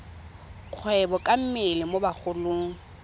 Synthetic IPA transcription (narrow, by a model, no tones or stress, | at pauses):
q͡χʰwɛbɔkʼam̩mɪlɪmobak͡xʰʊlʊːŋ̩